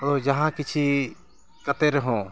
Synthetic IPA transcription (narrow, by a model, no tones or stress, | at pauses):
od͡ʒɐɦãkit͡ʃʰi | kət̪eɾəɦõ